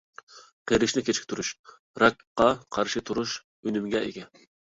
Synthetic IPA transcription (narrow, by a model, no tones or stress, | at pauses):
qʰeɾɪʃnɪkʲʰet͡ʃʰkʲt̪ʰuɾuʃ | ɾɑkqːɑqʰɑɾʃit̪ʰuɾuʃ | ønymɡʲɛeɡʲɛ